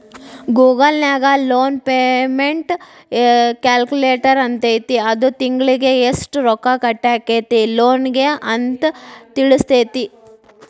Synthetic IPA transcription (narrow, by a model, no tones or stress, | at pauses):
ɡuːɡɐlnaːɡɐloːnpeːmeɳʈ | kaːlkuleːʈɐɾɐnt̪ejt̪iɐd̪ut̪iŋɡɭiɡeesʈɾɔkːakɐʈːaːkeːt̪iloːnɡeʔɐnt̪t̪iɭust̪et̪i